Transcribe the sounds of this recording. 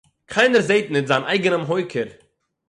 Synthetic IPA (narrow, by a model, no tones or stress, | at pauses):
kʰaɪnəɾzeɪtnɪtzaːnʔa̰ɪɡənəmɦɔɪkʰəɾ